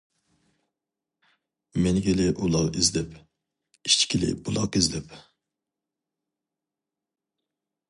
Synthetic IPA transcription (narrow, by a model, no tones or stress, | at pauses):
menɪɡʲelɪʔulˠɑʁizlɪp | it͡ʃʰkʲʰilɪ̰bulˠɑqizlɪp